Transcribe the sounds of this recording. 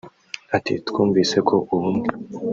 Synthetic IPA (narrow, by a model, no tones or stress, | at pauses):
atḭtu̥kʰuːmviːse̞kʰo̞ʔuβumɡe